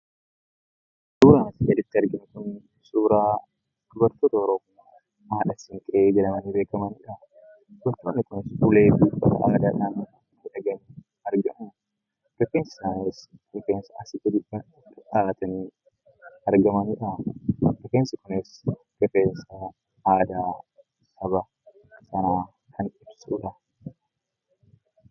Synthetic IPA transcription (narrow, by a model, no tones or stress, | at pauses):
suːɾaːnɪsɪʔɛᶑɪt̪ːɪɐɾɡɪnɪkʊn | suːɾaː | d̪̥ʊbɐɾt̪oːt̪ɐɔɾɔm | a | maːᶑɐsɪŋkʼeːɡɐlɐmɐniːbe̞ːkɐmɐniːᶑɐ | d̪ʊbɐɾt̪oːnːɪkʊnɪsʊle̞ːbiːkɐ̰ɐ̰aːd̪aːᶑaːnːɐnɐ | ɛᶑɐɡɐniː | ɐɾɡɐʔ | d̪̥ɔkːeːnsɪ̥saːnesd̪ɔfeːnsɐɐsɪd͡ʒ̪ɐd̪ɪɐ | ɪᶑaːt̪ɐniː | ɐɾɡɐmɐniᶑɐd̪ɔkeːnsɐkʊnɪs | d̥̪ɔfeːnsɐ | aːd̪aː | sɐbɐ | sɐnaː | kʰɐnɪbsuːᶑɐ